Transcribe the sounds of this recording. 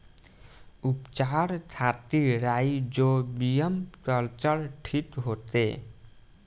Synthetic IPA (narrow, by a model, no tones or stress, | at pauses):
upt͡ʃaːɾtʰat̪iɾaːid͡ʒobijəmkəlt͡ʃəɾʈʰit̪ɦoːt̪ḛ